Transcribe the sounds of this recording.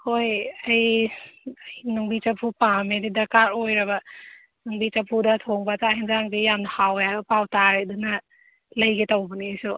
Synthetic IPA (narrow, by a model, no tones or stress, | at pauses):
hojɐj | jnuŋbit͡ʃɐpʰupamedidɐɾkaɾojɾɐbɐ | nuŋbit͡ʃapʰudɐtʰoŋbataɦinzaŋɡijamdɐhawjabɐpawtaɾeduna | lɐjɡetawbɐnesu